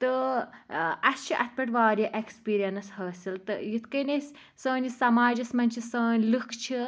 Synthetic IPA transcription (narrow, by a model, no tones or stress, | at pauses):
t̪ɨ | ɐst͡ʃʰiʔɐt̪̚ʰpɐʈʋaːɾiʔekspiːɾijɐnɐsɦɐːsilt̪ɨ̰jit̪ʰkɐnesʲ | səːnisɐmaːd͡ʒɐsmɐnʲt͡ʃʰisəːnʲlɨkʰt͡ʃʰi